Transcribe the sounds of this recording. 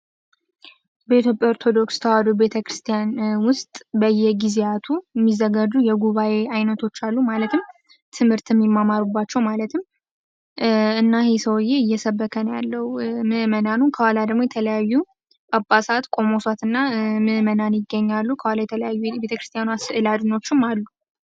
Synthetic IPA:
bəit̪jo̞pʼjao̞ɾt̪ʰo̞d̪o̞kst̪ʰəwad̪obe̞t̪ʰəkɾɨst̪ʰijanwʊst̪ʼbəjːɛɡizeat̪ʰujɛmːizːəɡad͡ʒujɛɡuβaje̞ajnət̪ʰo̞t͡ʃːalːumalət̪ʰɨm | t̪ʰɨmhɨɾt̪ʰɨmːimːamaɾubːat͡ʃːɛwmalət̪ʰɨmː | ɨnːahesəwjːeɨjːɛsəbːəkʰənjalːəwumɨhmənanunkʰəwalad̪əɡmo̞jɛt̪ʰələjajːu | ʔʼapʼːasat̪kʼo̞mo̞sat̪ɨnːamɨhmənanjɪɡːəɲːalːukʰəwalajɛt̪ʰələjajːubet̪əkɾɨst̪ijanuasɨʔɨlad͡ʒ̪no̞t͡ʃːɪmalːu

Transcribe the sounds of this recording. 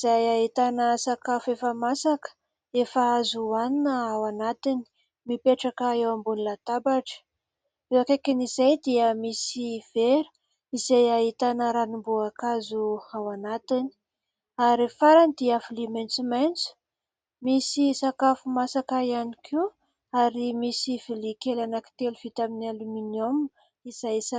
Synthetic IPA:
iz̥ajaɦit̪anəsakafefəmasakə̥ | efaazuaninəawanat̪ini̥ | mipeʈ͡ʂakəewambunilat̪abaʈ͡ʂə̥ | ewakekinizajd̪iəmisiv̥eɾu̥ | izajaɦit̪anəɾanimbuakazuawanat̪ini̥ | aɾifaɾanid̪iafilimajnt͡sumajnt͡su̥ | misisakafumasakaianikʰiw | aɾimisivilikelanaki̥t̪eluv̥it̪aminaluminomu | iz̥ajsa

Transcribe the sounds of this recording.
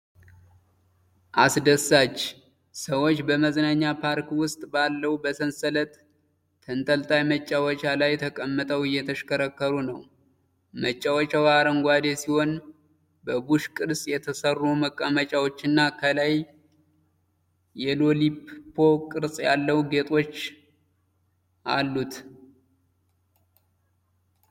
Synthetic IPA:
ʔasd̪əsːat͡ʃː | səwo̞t͡ʃːbəməznaɲːapʰaɾkwʊst̪ʼbalːəwbəsənsələt̪ʼʰː | ənt̪ʼəlt̪ʼajmət͡ʃʼːawɔt͡ʃʼalajt̪ʰəkʼəmːət̪ʼəwɨjːɛt̪ʰəʃkəɾəkːəɾunəw | mət͡ʃʼːawɔt͡ʃʼaβaɾəŋɡʷad̪esiho̞n | bəbuʃkʼɨɾsʼjɛt̪ʰəsərːuməkʼːəmət͡ʃʼawot͡ʃːɨnːakʰəlaj | jɛlo̞lipʰːo̞kʼɨɾsʼjalːəwɡe̞t̪ʼo̞t͡ʃː | ʔalːut̪

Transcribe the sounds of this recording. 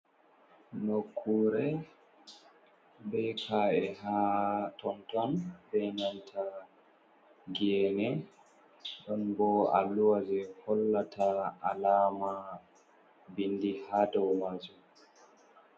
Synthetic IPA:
nokʰːuɾɛ | bɛkʰaːɛhatɔntɔnbɛnantʰa | ɡiɛnɛ | ɗɔnbɔa̰lːuwad͡ʒɛhɔlːatʰaalaːma | bindihaːdɔwmad͡ʒu

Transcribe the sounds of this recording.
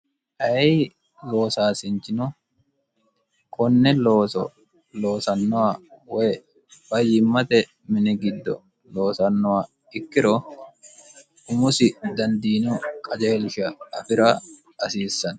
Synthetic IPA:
ʔɐjɛ | lo̞ːsaːsɪnt͡ʃːɪnʊ | kɔnːɛloːsɔ̰ | loːsɐnːɔwawɛj | b̥ɐjːɪmːɐt̪ɛ | mɪnɛɡɪd̪ːɔ̰ | lo̞ːsɐnːɔwa | ɪkːɪɾoː | ʔʊmʊsɪd̪ɐnd̪iːnɔkʼɐd͡ʒeːlɪʃɐɐfɪɾa | ɐsiːsːɐn

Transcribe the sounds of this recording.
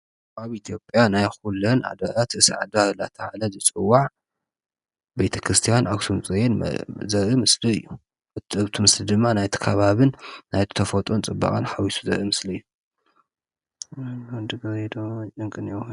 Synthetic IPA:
ʔaβit̪ʰijo̞pʼjanajxulonʔa̰d̪ɐɾat̪ɨsʕa̰d̪aɾla̰t̪ʰɐʕalɐzɨt͡sʼɨwːaʕ | be̞t̪ʰɐkʰɾɨst̪ʰijanʔawsumt͡sʼɨjen̰zɐɾimɨsliɨjːu | ɨt̪ɨβt̪ʰɨmɨslid̪ɨmːanajt̪ʰi̥kʰɐβaβɨnːajt̪t̪ʰɐfot̪ʼont͡sʼɨbːa̰kʼɐnħawisu̥zɐ̰ɾʔimɨsliɨjːu | nd̪ɨɡɐed̪oɨŋkʼɨnew

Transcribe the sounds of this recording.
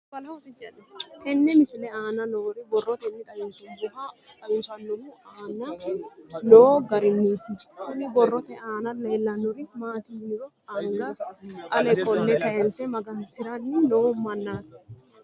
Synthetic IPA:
bɐlɐɔsɪt͡ʃːɐnːɐk̪ɛnːɛmɪsɪlɛaːnɐnoːɾɪbɔrːɔt̪ɛnːɪt̪ʼɐjɔnk̪ɪnbɪɦa | t̪ʼɐjʊnsɐnːʊmʊaːnɐ | noːɡɐɾɪnːiːt̪ɪkʊnːɪbɔrːɔt̪ɛaːnɐleːlːɐnːʊɾɪmaːt̪iːnːɪɾɔ | aːŋɡɐʔɐlɛkɔlːɛkɐjɛnsɛmɐɡɐnsɪɾɐnːɪnoːmɐnːaːt̪ɪ̥

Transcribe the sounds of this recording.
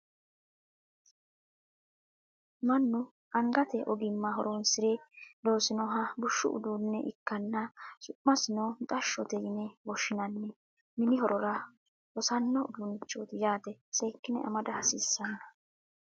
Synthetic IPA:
mɐnːʊ | ɐŋɡɐt̪ɛʔɔɡɪmːɐɦɔɾonsɪɾɛd̪o̞ːsɪnɔɦɐbʊʃːʊ̰ʔʊ̰d̪uːnːɛʔɪkːɐnːɐsʊʔːɐsɪnont̪ʼɐʃːɔt̪ɛjɪnɛwɔʃːɪnɐnːɛ | mɪnɪɦɔɾɔɾɐ | ɔsɐnːɔʊd̪unɪt͡ʃʼːoːt̪ɪjaːt̪ɛsɛjkːɪnɛ̰ʔɐ̰mɐd̪ɐhɐsiːsːɐnːɐ

